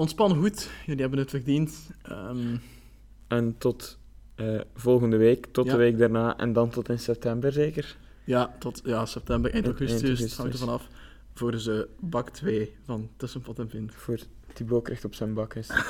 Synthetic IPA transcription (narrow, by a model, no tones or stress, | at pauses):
ɔntspɑnəɣutjaːdiɦɛbənətfərdintəm | ɛntɔt | əːvɔlˠɣəndəʋeːktɔtdəʋeːk̚daːrnaːʔɛ̰ndɑntɔtɪnsɛp̚tɛmbərzeːkər | jaːtɔtjaːsɛp̚tɛmbəɾʔɛjnɔɣəsɪshɑŋdəvɑnɑf | voːrdəzəbɑktʋeːvɑntəsənfɔtɛnvɪnv̥oːrd̥ibloːkrɪxtɔpsənbɑkɪs